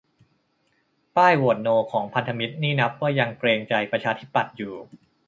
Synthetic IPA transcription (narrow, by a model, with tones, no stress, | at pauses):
paː˥˩jwo˨˩t̪̚noː˧kʰɔː˩˦ŋpʰa˧nt̪ʰa˧mi˦˥t̪̚niː˥˩na˦˥p̚waː˥˩ja˧ŋkɾeː˧ŋt͡ɕa˧jpɾa˧t͡ɕʰaː˧t̪ʰi˦˥pːa˨˩t̪̚juː˨˩